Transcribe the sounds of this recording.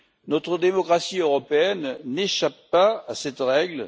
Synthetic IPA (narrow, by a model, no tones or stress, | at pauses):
nɔt̪χəd̪emɔkʁasiøʁɔpeɛnːeʃapːaasɛt̪ʁɛɡl